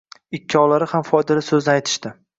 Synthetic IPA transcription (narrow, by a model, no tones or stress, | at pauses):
ɪkʰʲːɒlaɾɪhamfɒjd̪ɪlasɵznɪajt̪ʰɪ̥ʃt̪ɪ